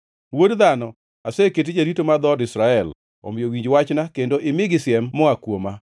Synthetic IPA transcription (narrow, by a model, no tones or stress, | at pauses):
wodðanɔ | asɛket̬id͡ʒaɾitomad̪ɔdɪsɾaɛl | ɔ̰mɪjowiɲd͡ʒwat͡ʃnakendoʔɪmɪɡɪsɪɛmːɔakwoma